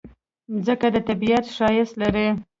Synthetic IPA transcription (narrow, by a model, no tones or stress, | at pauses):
zəkad̪ət̪abijat̪ʃɑjɪst̪laɾi